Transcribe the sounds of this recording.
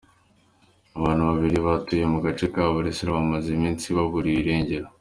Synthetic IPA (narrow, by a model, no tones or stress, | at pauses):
aβaːn̤uβaβiɾiβatuje̞muɡat͡ʃekaːβuɾesiɾaβamazimiːnsiβaβuɾiɾe̞ːɲɟe̞ɾa